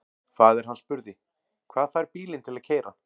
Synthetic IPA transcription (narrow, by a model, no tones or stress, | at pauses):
kʰvaːðɛɾ̥ɦanːspʏɾðɪ | kʰv̥aːðfajɾpiːlɪnt̪ʰɪlaðcʰeːjɾa̰